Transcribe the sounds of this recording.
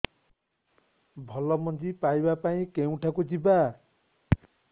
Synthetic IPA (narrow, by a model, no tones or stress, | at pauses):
bʱɔlɔmɔnd͡ʒipajbapaĩkew̃ʈʰakud͡ʒiba